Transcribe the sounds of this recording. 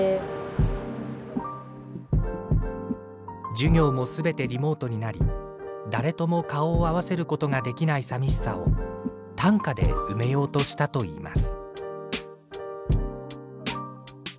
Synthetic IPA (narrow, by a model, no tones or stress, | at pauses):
d͡ʑɨɡʲo̞ːmo̞sɨbe̞t̪e̞ɾʲimo̞ːt̪o̞ɲ̟inaɾʲḭ | d̪aɾe̞t̪o̞mo̞kao̞ːaβ̞ase̞ɾɯ̟ko̞t̪o̞ŋad̪e̞kʲinaisamʲiɕi̥sa̰o̞̰ | t̪ãŋkad̪e̞̰ɯ̟me̞jo̞ːt̪o̞ɕi̥t̪at̪o̞ḭːma̰sɨ̥